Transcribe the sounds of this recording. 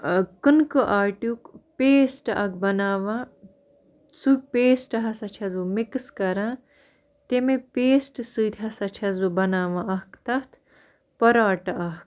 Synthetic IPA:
kɨnkɨʔaːʈjukpeːsʈɐk̚bɐnaːʋã | supeːsʈɐɦɐsɐt͡ʃʰɐzumikskɐɾãː | t̪emẽpeːsʈsɨːd̪ʲɦɐsɐt͡ʃʰɐzubɐnaːʋãɐɦkt̪ɐt̪ʰ | pɐɾaːʈɐɐɦk

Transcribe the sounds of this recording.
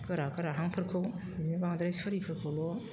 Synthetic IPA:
kʰɯɾakɯɾaɦaŋpʰɯɾkʰow | inibaŋd̪ɾajsɔɾipʰɯɾkʰowlɔ

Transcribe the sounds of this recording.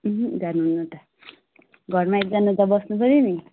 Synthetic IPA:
md͡zarnuɦunːot̪ʌ | ɡʱʌrmaet̚d͡zanut̪ʌbʌsnupʌɾini

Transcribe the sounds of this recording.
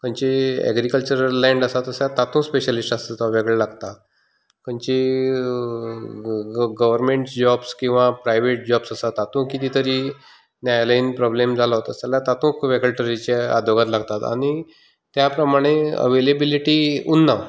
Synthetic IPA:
kəɲt͡ɕiɛ̰ɡɾikəlt͡ɕəɾlɛɳɖəsat̪əsat̪at̪ũkspeɕəlisʈasət̪aʋeɡɭelaɡt̪a | kəɲt͡ɕi | ɡəʋəɾmeɳʈd͡ʑɔbskĩw̃ʋapɾajʋeʈ̚d͡ʑɔbsasat̪ːat̪ũːkːit̪it̪əɾiː | njajlainpɾɔblemd͡zʱalaɦot̪ast̪aljat̪at̪ũːkʋekəlʈəɾit͡ɕea̰d̪ʱjoɡat̪laɡt̪at̪a̰ɽ̃i | t̪japɾəmaɽ̃eə̰ʋelebiliʈiːunːa

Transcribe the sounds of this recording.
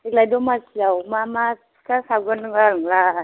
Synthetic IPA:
iklaidomasijawmamas | kasaɡɔnŋɡaŋla

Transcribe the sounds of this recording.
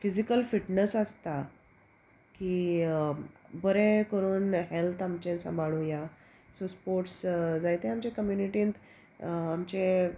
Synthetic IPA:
fizikəlfiʈnəsəst̪a | kiː | bəɾẽkəɾuːnɦelt̪ʰamt͡ɕẽnsə̰maɽ̃ũja | sospoɾʈsd͡zajt̪ẽamt͡ɕẽkəmjuniʈĩːnt̪ | amt͡ɕẽ

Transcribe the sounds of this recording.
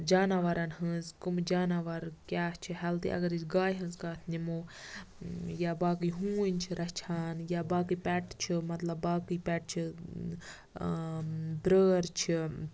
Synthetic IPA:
d͡ʒaːnaːʋaɾanɦə̃zkumd͡ʒaːnaːʋaɾkʲaːt͡ʃʰiɦɛlt̪ḭʔɐ̰ɡɐɾiɡaːjɦɨ̃nzkaːt̪ʰnimoː | jaːbaːkijɦũːint͡ʃʰiɾʔɐɦt͡ʃʰaːnjaːbaːkipɛːʈt͡ʃʰimɐt̪lɐbːaːkipɛːʈ̚t͡ʃʰi | d̪ɾəːɾt͡ʃʰi

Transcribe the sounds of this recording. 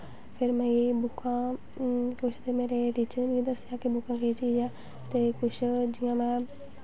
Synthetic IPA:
pʰɪɾmɛ̃ibʊkːãː | kʊt͡ʃʰt̪eːmeːɾeːʈiːt͡ʃəɾbid̪əsɪjaːkibʊkːãːket͡ʃiːd͡ʒɛː | t̪eːkʊt͡ʃʰd͡ʒijãːmɛ̃ː

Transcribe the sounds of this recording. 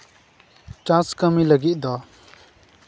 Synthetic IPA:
t͡ʃãskəmilɐɡit̚d̪ɔ

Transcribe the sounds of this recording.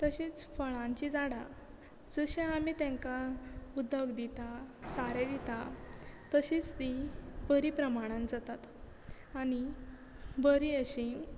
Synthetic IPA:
t̪əɕiːt͡sfəɭãɲt͡ɕid͡zaɽa | d͡zəɕɛ̃amit̪ɛ̃ŋkaud̪əɡd̪it̪asaɾɛd̪it̪at̪əɕiːt͡st̪ibəɾipɾəmaɽ̃ãnd͡zat̪at̪ | añi | bəɾiəɕĩ

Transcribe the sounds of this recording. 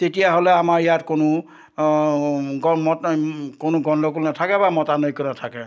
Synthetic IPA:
tetijaɦolɛamaɹjatkonʊ | ɡɔmɔtkonʊɡɔnlɔkulnatʰakɛbamɔtanɔjkɔnatʰakɛ

